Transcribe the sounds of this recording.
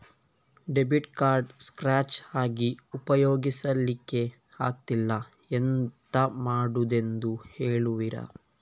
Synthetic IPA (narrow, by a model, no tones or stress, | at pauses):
ɖebiʈkaːɾɖskɾaːt͡ʃaːɡiupɐjoːɡisɐlːikːe̞ | aːk̚t̪ilːɐ | ent̪ɐmaːɽud̪e̞nd̪uheːɭuʋiɾɐ̰